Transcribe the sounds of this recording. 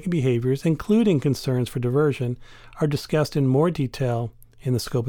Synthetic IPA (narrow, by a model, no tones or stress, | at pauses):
k̚b̥ɨɦeɪvjə˞zɨ̃nkʰl̥ʉɾɪ̃ŋkɨ̃nsɜ̃˞nz̥fə˞dɨvɜ˞ʒɨ̃n | ə˞dɨskʌstɨ̃nmɔɹditʰeɪlˠ | ɨ̃nðɨskoʊp